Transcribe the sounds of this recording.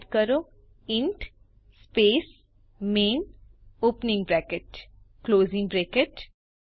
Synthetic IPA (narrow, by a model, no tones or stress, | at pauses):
d̪kəɾoː | ɪ̃ɳʈ | speːs | meːnoːpnɪ̃ŋɡbɾɛːkeʈ | kloːzɪ̃ŋɡbɾeːkeʈ